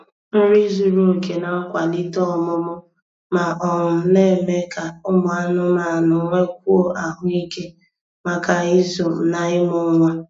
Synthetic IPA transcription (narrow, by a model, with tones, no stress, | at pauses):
m̩˦ɾi˦zu˨ɾo˦o˨ke˨na˨˦kʷa˨li˦tɔ˦ɔ˨mʊ˦mʊ˦ | ma˨ʔɔ˨ŋʊ˨˦ne˦˨me˦ka˨ʊ˦mʊ˨a˦nʊ˦ma˨nʊ˨ŋʷe˦k̚ʷu˦o˨ʔa˨ɦʊ˦i˦ke˦ | ma˨ka˨i˦zo˨m̩˨na˨ɪ˦mʊ˦ŋʷa˦